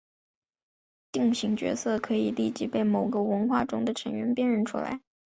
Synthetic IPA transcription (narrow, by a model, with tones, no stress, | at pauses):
t̪i˥˩ŋɕi˧˥ŋt͡ɕɥɛ̰˧˥sɤ˥˩kʰɤ˧˥i˨˩li˥˩t͡ɕi˧˥pe˥˩ɪmo˨˩ʊɡə˧wə˧˥nxwa̰˥˩ʈ͡ʂʊ˥ŋd̪ə˨ʈ͡ʂʰə˧˥ŋɥɛ˧˥npjɛ˥˧nɻə˥˩nʈ͡ʂʰṵ˥la̰˧˥ɪ